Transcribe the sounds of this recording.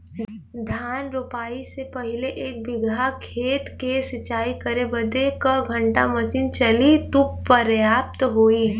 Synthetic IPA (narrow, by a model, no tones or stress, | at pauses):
d̪ʱaːnɾupaːisepɐɦɪleʔeːk̚bɪɡʱakʰeːt̪kesɪt͡ʃaːikɐɾebɐd̪ekəɡʱə̃ɳʈa̰mɐt͡ʃint͡ʃɐlit̪uppːəɾjaːp̚t̪ɦoːi